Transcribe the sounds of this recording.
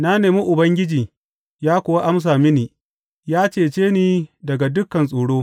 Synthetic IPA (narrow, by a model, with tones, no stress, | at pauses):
na˦neː˨mi˦ʔʊ˨bɐ˦ŋɡʲɪ˦d͡ʒiː˨ | jaː˦kʷʊ˨wa˦ʔa˦ms̬aː˨mɪ˦niː˨ | jaː˦t͡ʃeː˨t͡ʃeː˦niː˦dɐ˨ɡa˨dʊ˦kːɐ˨nsʼuː˨ɽoː˦